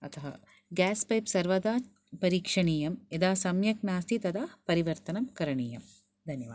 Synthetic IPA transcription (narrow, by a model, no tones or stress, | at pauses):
ɐt̪ʰɐɦɐ̰ | ɡaːspɐjpsɐɾʋɐd̪aː | pɐɾiːkʂɐɳiːjɐmed̪aːsɐmjɐk̚naːst̪ʰit̪ɐd̪aːpɐɾiʋɐɾt̪ɐnɐmkɐɾɐɳiːjɐm | d̪ʱɐnjɐʋaːd̪